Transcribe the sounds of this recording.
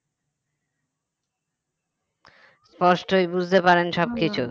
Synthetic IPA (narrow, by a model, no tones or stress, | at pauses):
spɔʃʈojbud͡ʑʱt̪epaɾenʃɔb̚kit͡ɕʰu